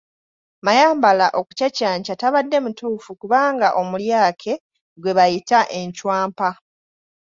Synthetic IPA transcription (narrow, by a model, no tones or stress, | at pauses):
majaːmbalaʔo̞ku̥cacaːɲcataβadːe̞mutuːfukuβaːŋɡaʔo̞muljaːkʰe̞ | ɡwe̞βajitaʔe̞ɲcwaːmpa